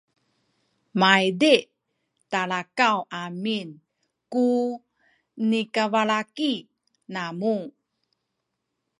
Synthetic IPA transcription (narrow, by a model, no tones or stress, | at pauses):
majde | taɭakawʔamin | ku | nikavaɭaki | namu